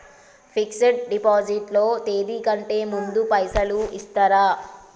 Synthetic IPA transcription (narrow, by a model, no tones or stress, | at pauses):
pʰikseʈ̚ɖipaːd͡ʒiʈlo̞ːt̪e̞ːd̪iːkɐɳʈe̞ːmund̪upɐjsɐluʔist̪aːɾaː